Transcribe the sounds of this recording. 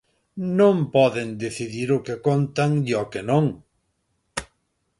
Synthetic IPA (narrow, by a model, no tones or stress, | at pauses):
nõŋpɔðend̪eθiðiɾʊkekont̪aŋiɔkenõŋ